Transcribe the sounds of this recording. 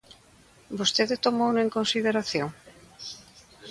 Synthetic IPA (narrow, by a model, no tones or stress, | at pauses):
bost̪eðet̪omouneŋkonsiðeɾaθjoŋ